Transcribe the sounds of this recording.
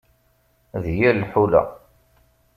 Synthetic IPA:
ðjælːħulæ̰

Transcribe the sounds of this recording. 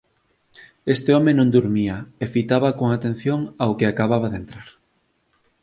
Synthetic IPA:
est̪eɔmenõnd̪uɾmiɐefit̪aβakoŋat̪en̟θjoŋaokɪakaβaβaðent̪ɾaɾ

